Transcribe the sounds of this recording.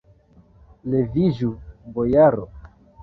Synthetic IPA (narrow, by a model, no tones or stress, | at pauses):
leviʒubojaɾo